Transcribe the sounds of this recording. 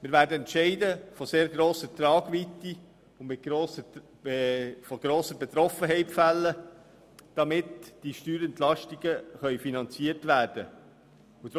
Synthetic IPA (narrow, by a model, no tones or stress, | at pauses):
mɪɾʋæːɾdəɛntʃɛɪdəfɔseːɾɡɾoːsət̪rɑːɡʋit̪ːi | ʊnmɪt̚ɡ̥ɾoːsə | fɔɡ̥ɾoːsəbɛt̪ɾɔfəɦɛɪpfælːə | d̥ɑmɪtd̥iʃtyːɾɛntlɑʃtiɡ̥əχœʏfinɑnt͡siəɾtʋæːɾd̥ə̰ | ʊd